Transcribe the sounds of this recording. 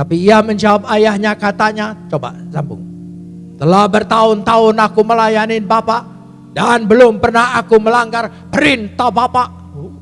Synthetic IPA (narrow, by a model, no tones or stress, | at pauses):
t̪apiːaməɲd͡ʒawap̚ajahɲakat̪aɲat͡ʃoba̰sambʊ̰ŋ | t̪əlahbərt̪aʊnt̪aʊnakuməlajanɪnbapaʔ | danbəlʊmpərnahakuməlaŋɡar | pəɾint̪abapaʔ